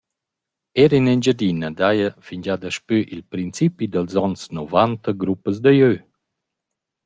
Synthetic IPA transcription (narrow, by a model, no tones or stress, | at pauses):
ɛɾinɛnd͡ʒəd̪inəd̪ajəfiɲd͡ʒad̪əʃpyʔilpɾint͡sipid̪əlzɔnsnɔvant̪əɡɾupəz̬d̪əjø